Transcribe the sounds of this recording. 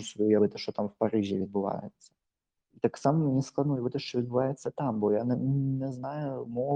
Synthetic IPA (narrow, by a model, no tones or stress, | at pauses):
ʊsʲvjujavɛt̪əʂot̪amfpɐɾiʐʲɪ̰vʲɪd̪̚bɨva̰jɪ̰t̪sə̥ | it̪aksaməmnʲɛsklˠɐojavɛt̪əʂovɪd̪bɨvajɪt̪sːət̪ambojannʲɛznajʊmo